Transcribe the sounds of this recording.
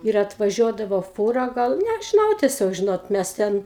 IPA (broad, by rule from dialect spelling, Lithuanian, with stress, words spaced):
ɪr ɐtʋɐˈʒʲuɔdɐʋoː ˈfuːrɐ ˈɡɐlˠ nʲɛʒʲɪˈnɐʊ tʲiɛˈsʲoːk ˈʒʲɪnoːt ˈmʲæs ˈtʲɛn